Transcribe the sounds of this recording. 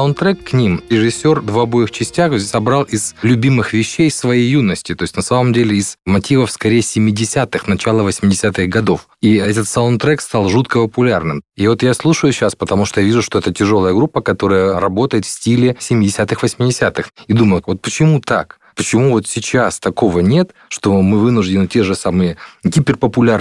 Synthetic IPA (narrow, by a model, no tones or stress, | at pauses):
ɐʊnt̪ɾɛkːnʲimɾʲɪʐɪsʲːo̞rvɐbo̞jɪxt͡ɕɪsʲtʲaxzʲdʲesʲɐbɾɑlˠɪz̥lʲʊbʲimɨxvʲɪɕːejsvɐjejːunəsʲtʲɪt̪o̞ɪsʲt̪ʲnɐsaməmdʲelʲɪɪz̥mɐtʲivəfskɐɾʲejəsʲɪmʲːɪdʲɪsʲat̪ɨxnɐt͡ɕalˠəvəsʲmʲɪdʲɪsʲat̪ɨxɡɐd̪o̞f | iɛt̪ət̪saʊnt̪ɾɛkst̪alˠʐut̪kəpəpʊlʲarnɨmivo̞t̪jaslˠuʂəjʊsʲːaspət̪ɐmuʂt̪ojavʲiʐʊʂt̪oɛt̪ətʲɪʐo̞lˠəjəɡɾupːəkɐt̪o̞ɾəjəɾɐbo̞t̪əjɪt̪fʲsʲtʲilʲɪsʲɪmʲɪdʲɪsʲat̪ɨxvəsʲmʲɪdʲɪsʲat̪ɨxid̪uməjʊvo̞t̪̚pət͡ɕɪmut̪a̰k | pət͡ɕɪmuvo̞t̪sʲɪt͡ɕast̪ɐko̞vənʲe̞t̪ʂt̪o̞mɨvɨnʊʐdʲɪnɨtʲe̞ʐɨsamɨjəɡʲipʲɪrpəpʊlʲar